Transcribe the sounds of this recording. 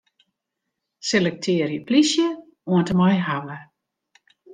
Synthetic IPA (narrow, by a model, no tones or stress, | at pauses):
selɛk̚tʰɪːərjəplisjə | uəntəmɔjɦawə